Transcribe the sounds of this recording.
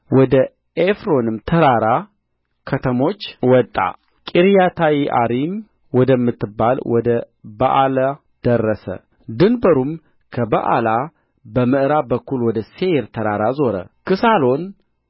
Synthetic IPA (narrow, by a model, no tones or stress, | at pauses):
wɔd̪ə | efɾo̞nɨmt̪ʰəɾaɾa | kʰət̪ʰəmo̞t͡ʃːwɔt̪ʼːa̰ | kʼiɾjat̪ʰawiʔa̰ɾim | wɔd̪əmːɨt̪ːɨbːalwɔd̪ə | ba̰ʔala | d̪̥ərːəsə̰ | d̪ɨnbəɾum | kʰəbaʔa̰la | bəmɨʔɾabəkːulwɔd̪əseɾt̪ʰəɾaɾazo̞ɾə̰kɨsalo̞n